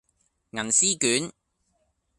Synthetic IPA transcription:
ŋɐ˨˩nsiː˥kyː˨˥n

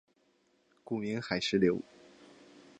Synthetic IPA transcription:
ku˥˩mi˧˥ŋxa˨˩ɪʂɻ̩˥˩ljo˧˥ʊ

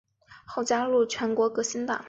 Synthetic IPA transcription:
xo˥˩ʊt͡ɕja˥lu˥˩t͡ɕʰɥɛ˧˥nkwɔ˧˥kɤ˧˥ɕi˥nt̪ɑ̰˨˩˦

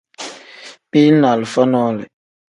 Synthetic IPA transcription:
pi˦na˨lfa˦nɔ˦lɪ̰˨

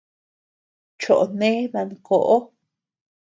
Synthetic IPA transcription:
t͡ʃo˨ʔnẽ˦βa˧˨ŋko˨ʔo˦

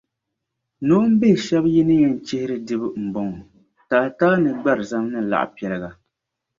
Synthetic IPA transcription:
no˦m̩˦be˦˨ʃɛ˦bji˦nɨ˦ɲɛ˦n˦t͡ʃɪ˦hɪ˦ɾɨ˦dɨ˦bɨ˦m̩˨bɔ˦ŋ˨ | taː˨ta˦nɨ˨ɡ͡ba˦ɾɨ˨za˦mnɨ˦˨la̰˨ʔpi˨ɛ˨lɨ˦˨ɡa˨

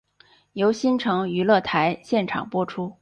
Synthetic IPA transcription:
jo˧˥ʊɕi˥nʈ͡ʂʰɤ˧˥ŋy˧˥lɤ˥˩t̪ʰa˧˥ɪɕjɛ˥˩nʈ͡ʂʰɑ̰˨˩ŋpwɔ˥ʈ͡ʂʰu˥

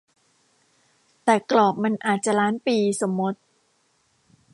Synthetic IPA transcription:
t̪ɛː˨˩klɔː˨˩k̚ma˧nʔaː˨˩t̪̚t͡ɕa˨˩ɾaː˦˥npiː˧so˩˦mːo˦˥t̪̚

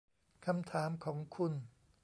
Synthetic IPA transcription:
kʰa˧mt̪ʰaː˩˦mkʰɔː˩˦ŋkʰu˧n

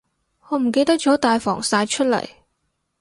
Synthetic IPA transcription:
hɔː˨˧m̩˨˩ke˧jt̪ɐ˥k̚t͡ʃɔː˨˥t̪aː˨jfɔ̰ː˨˩ŋsaː˧jt͡ʃʰɵ˥t̚lɐ̰˨˩j

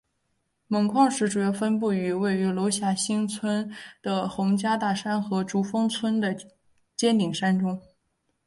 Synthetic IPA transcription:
mə˨˩ŋkʰwɑ˥˧ŋʂɻ̩˥˩ʈ͡ʂu˨˩jɑ˥˧ʊfə˥np̬u˥˩y˧˥we˥˩ɪy˧˥lo˧˥ʊɕja˥˩ɕi˥ŋt͡sʰwə˥nd̪̥ə˨xʊ˧˥ŋt͡ɕja˥t̪a˥˩ʂa˥nxɤ˧˥ʈ͡ʂu˧˨˥fɤ˥ŋt͡sʰwə˥nd̪ə˨ | t͡ɕjɛ˥nt̪i˨˩ŋʂa˥nʈ͡ʂʊ˥ŋ

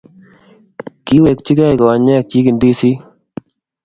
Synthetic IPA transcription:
ki˦we˨kt͡ʃi˦ɡa˦˨kɔ˨a˨ɲa˦˨kːi˦ki˨nd̪iː˦si˦

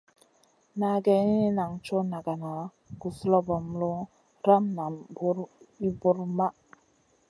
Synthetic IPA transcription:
na˨ɡɛ˨ni˦i˦na˨ŋt͡ʃo˦na˨ɡa˨na˨˦ | ɡ̥u˨slɔ˦bɔ˨m˦lu˦ | ɾa˦mna˨bu˦ɾi˦bu˦ɾma˦

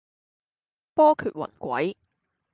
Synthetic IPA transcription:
pɔː˥kʰyː˨t̚wɐ̰˨˩nkʷɐ̰˨˥j

